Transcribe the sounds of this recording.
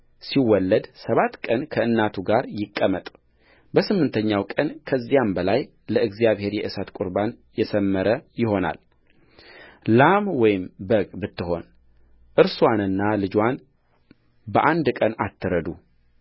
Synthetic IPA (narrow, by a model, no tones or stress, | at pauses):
siwɔlːəd̪səβat̪ːkʼənkʰəɨnːat̪ʰuɡaɾjɪkʼːəmət̪ʼ | bəsɨmːɨnt̪ʰəɲːawkʼənkʰəzːijambəlaj | ləɨɡzijaβhe̞ɾjɛʔɨsat̪kʷʼuɾban | jɛsəmːəɾəjɪɦo̞na̰l | lamwɔjɪmbəɡʼbɨt̪ːɨɦo̞n | ʔɨɾswanɨnːalɨd͡ʒwan | bəʔand̪kʼəna̰t̪ʰːɨɾəd̪u